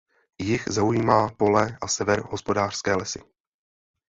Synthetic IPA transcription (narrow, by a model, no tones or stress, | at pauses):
jɪxzaujiːmaːpo̞lɛʔasɛvɛɾɦo̞spo̞daːr̥skɛːlɛsɪ